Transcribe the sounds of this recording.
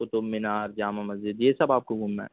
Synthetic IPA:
ʊt̪ʊbmːɪnaːɾd͡ʒaːmamɐzd͡ʒɪd̪jeːsɐbaːp̚koɡʱʊmːã̰

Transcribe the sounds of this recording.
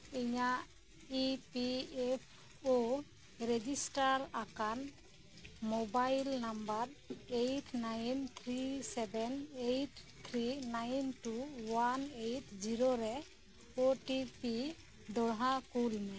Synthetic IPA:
iɲaʔ | ipiepʰ | o | ɾed͡ʒisʈaɾakan | mɔbajlnambaɾejʈnajnt̪ʰɾisɛbɛnejʈ | t̪ʰɾinajnʈuwanejʈd͡ʒiɾoɾɛ | oʈipi | d̪ɔɽɦakulnɛ

